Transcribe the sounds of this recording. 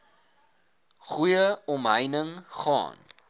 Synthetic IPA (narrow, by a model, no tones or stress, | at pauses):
χujəɔmɦəjnəŋχɑ̰ːn